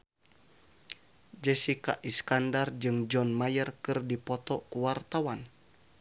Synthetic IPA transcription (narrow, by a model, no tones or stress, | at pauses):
d͡ʒɛsika̰ʔiskandard͡ʒɨŋd͡ʒɔnmajərkɨrdipɔt̪ɔkuwart̪awan